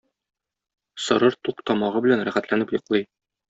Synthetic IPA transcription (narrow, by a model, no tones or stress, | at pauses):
sɤ̆ɾɤɾt̪uqt̪ɒmɑʁɤbɘ̆lænɾæχæt̪lænɘpjŏqlˠɤj